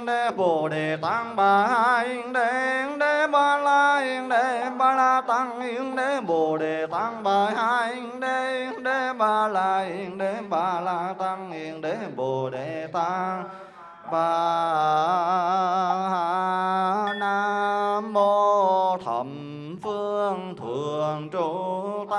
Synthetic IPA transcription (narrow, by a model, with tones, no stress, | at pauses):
ŋde˧˩bo˨˩de˨˩t̪a˧˥ŋbaː˨˧˩ha˧˥jŋde˧˦˧ŋde˧˥baː˧˩laː˧i˧ŋde˧˦ba˧laː˧t̪a˧˥ŋi˧˦ŋɗe˧˦bo˨˩de˨˩t̪a˧˥ŋbaː˧˩jha˧˥jŋde˧ŋɗe˧˦baː˧˩laː˧i˧ŋɗe˧ba˧˩la˧t̪a˧ŋi˧ŋɗe˨˦bo˨˩de˨˩t̪a˧˥ŋ | ɓaː˧˩ | ha˧ | naː˧mo˧t̪ʰə̰˧˨˩m | fɨ˧əŋt̪ʰɨ˨˩əəŋt͡ɕo˧˦t̪a˧